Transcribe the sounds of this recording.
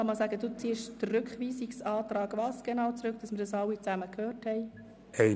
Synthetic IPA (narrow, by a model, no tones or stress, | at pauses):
ɑmɑsæːɡəd̥ut͡siːʃd̥ərʏkχʋiːsiksɑːt̪ɾɑːɡvɑːsɡ̥enɑːʊwt͡sɾʉk̚d̥ɑsmɪɾdɑsɑwːit͡sæməkʰhøːrthɛɪ | ɛɪ